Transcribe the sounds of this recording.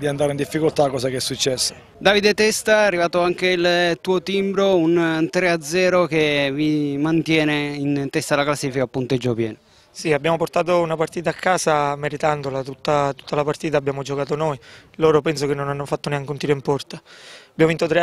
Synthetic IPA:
d̪iand̪aɾeind̪ifːikolt̪akːɔːsakeɛsːut͡ʃːɛsːo̥ | d̪aːvid̪et̪ɛst̪aːrːivaːt̪oaŋkeilt̪uːot̪imbɾount̪ɾead̪zɛːɾokevimant̪jɛːneint̪ɛst̪alaklasːiːfikapːunt̪ed͡ʒːopjɛ̰ːn | siabːjaːmoport̪aːt̪̬ounapart̪iːt̪̬aːkːaːsameɾit̪and̪olat̪ut̪ːat̪u̥t̪ːalapart̪iːt̪aːbːjaːmod͡ʒokaːt̪̬onojloːɾopɛns̬okenːonanːofat̪ːoneaŋkont̪iːɾoimpɔrt̪abjaːmovint̪ot̪ɾe

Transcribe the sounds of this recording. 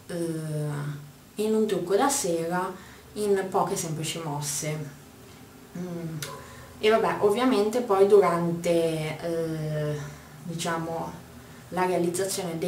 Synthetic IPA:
inunt̪ɾukːod̪asɛːɾa | inpɔːkesɛmplit͡ʃimɔsːe | evabɛʔovːjament̪epɔjd̪uɾant̪e | d̪it͡ʃaːmo | laɾealid̪zːat̪sːjoːned̪e

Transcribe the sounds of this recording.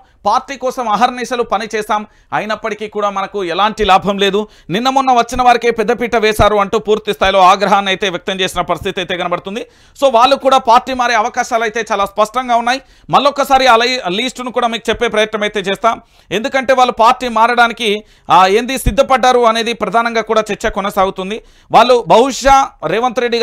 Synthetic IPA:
paːɾʈːiːkɔːsɐmaːɦɐɾɐniːʃɐlupɐnit͡ʃɛːsaːm | ɐjnɐpːɐʈikiːkuːɽaːmɐnɐkuɛlaːɳʈilaːbʱɐmle̞ːd̪u | ninːɐmunːɐʋɐt͡ʃːinɐʋaːɾike̞ːpɛd̪ːɐpiːʈɐʋɛːʃaːɾuɐɳʈuːpuːɾt̪ist̪ʰaːjilo̞ːaːɡɾɐɦaːnːiɐjt̪e̞ːʋjɐk̚t̪ɐmt͡ʃe̞ːsinɐpɐɾist̪ʰit̪ɐjt̪eːɡɐnɐbɐɽut̪und̪i | so̞ːʋaːɭːukuːɽaːpaːɾʈːiːmaːɾeːɐʋɐkaːʃaːlɐjt̪e̞ːt͡ʃaːlaːspɐʂʈɐŋɡaːunːaːji | mɐɭːɔkːɐsaːɾiɐlɐɐliːsʈnukuːɽaːmiːku̥t͡ʃɛpːe̞ːpɾɐjɐt̪nɐmɐjt̪e̞ːt͡ʃeːst̪aːm | e̞nd̪ukɐɳʈe̞ːʋaːɭːupaːɾʈːiːmaːɾɐɽaːniki | e̞ːnd̪isid̪ʱːɐpɐɖːaːɾuɐne̞ːd̪ipɾɐd̪ʱaːnɐŋɡaːkuːɽaːt͡ʃɛɾt͡ʃːɐkɔnɐsaːɡut̪und̪i | ʋaːɭːubʱɐɦuʂaːɾɛːʋɐnt̪uɾe̞ɖːi

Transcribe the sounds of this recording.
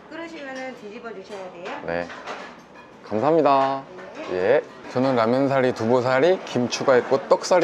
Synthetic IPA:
kɯɾʌɕʰimʌnɯntid͡ʑibʌd͡ʑuɕʰʌjadejone̞ | kamsʰaɦamɲida | je | t͡ɕʌnɯnɾamjʌns̬ʰaɾitubosʰaɾikimt͡ɕʰuɡait̚k͈ot͈ʌk̚s͈aɾ

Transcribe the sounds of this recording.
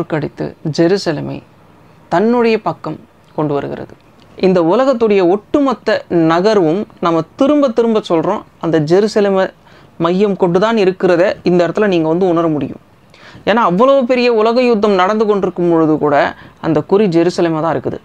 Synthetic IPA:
ɾkɐɽɪt̪ːɯ̰d͡ʒɛɾusɐlḛmɐɪ | t̪ɐnːɯɽɐjɐpɐkːɐm | kɔɳɖɯʋɐɾɯɣɪ̰ɾɐ̰ðɯ | ʔɪnd̪ɐʊlɐɣɐt̪ːɯɽɐjɐɔʈːɯmɐt̪ːɐnɐɣɐɾʋɯmnɐmːɐt̪ɪɾɯmbɐt̪ːɪɾɯmbɐsɔlɾõː | ɐnd̪ɐd͡ʒɛɾusɐleːmɐ | mɐjːɐmkɔɳɖɯt̪aːnɪɾɯkːɪɾɐðɐɪnd̪ɐɪɾɐt̪ːɪlɐniːŋɡɐʋɐnd̪ɯʊɳɐɾɐmʊɽɪ̰jɯ̰̃m | eːnaːɐʋːɐlɐʋɯpɛɾɪjɐʊlɐɣɐjʊd̪ːɐmnɐɽɐnd̪ɯkɔɳɖɪɾɯkːɯmɔɻɯðɯkuːɽɐɐnd̪ɐkʊɾid͡ʒɛɾuːsɐleːmɐt̪ãːɪɾɯkːɯðɯ̰

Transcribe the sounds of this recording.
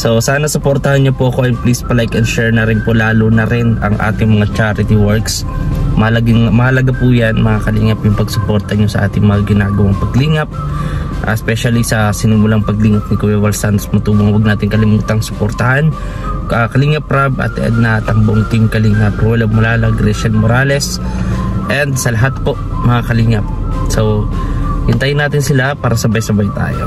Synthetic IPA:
so̞saːnɐsopoɾt̪ɐhanɲopoʔɐko̞ʔɐjplispɐlajkɐnʃɛɹnɐɾɪnpolaːlonɐɾɪnɐŋʔa̰ːt̪ɪŋmɐŋat͡ʃaɾɪt̪iwɔɹks | mɐhɐlɐɡɪŋmɐhɐlɐɡapujanmɐŋakɐliːŋɐpjʊŋpɐɡsopo̞ɾt̪ɐɲo̞sɐʔa̰ːt̪ɪŋmɐŋaɡɪnaːɡɐwɐŋpɐɡliːŋɐp̚ | ʔɐ̰ɛspɛʃɐlisɐsɪnʊmulaŋpɐɡliːŋɐp̚nɪkɐwɛwɐlsant̪osmɐt̪uːboŋwɐɡ̚naːt̪ɪŋkɐlɪmuːt̪ɐŋsopoɾt̪ɐhan | akɐliːŋɐp̚ɾabʔɐ̰t̪ːɛʔɐ̰d̪̚nɐt̪ɐmboŋt̪ɪŋkɐliŋɐpɾwɛlomɐlaːlɐɡɾɛʃɛnmoɾaːlɛs | ʔɛnd̪sɐlɐɦat̪̚po̞ʔ | mɐŋakɐliŋɐp̚ | sow | hɪnt̪ɐjnaːt̪ɪnsɪlapaːɾɐsɐbajsɐbajt̪a̰ːjo̞̰

